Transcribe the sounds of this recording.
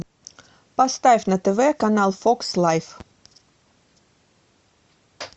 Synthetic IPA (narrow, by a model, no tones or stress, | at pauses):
pɐstɐjfnɐtəvəəkanaːlˠfɔkslɐjf